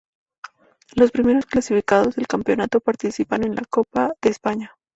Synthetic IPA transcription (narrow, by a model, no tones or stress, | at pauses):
lo̞spɾime̞ɾo̞sklasifikaðo̞zðelkampjo̞nat̪o̞paɾt̪isipane̞nlʔa̰ko̞paðe̞ːspaɲa